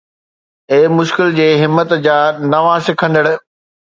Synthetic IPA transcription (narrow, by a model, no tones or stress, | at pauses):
eːmʊʃkɪld͡ʑeːɦɪmːət̪d͡ʑaːnɐʋãːsɪkʰə̃nd̪əɽʊ̆